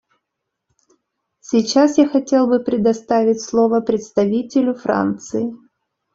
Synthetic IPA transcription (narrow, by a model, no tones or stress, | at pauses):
sʲit͡ɕasjaxɐtʲe̞lˠbɨpɾʲɪd̪ɐst̪avʲɪtʲslˠovəpɾʲɪt̪st̪ɐvʲitʲɪlʲʊfra̰nt̪sɨɪ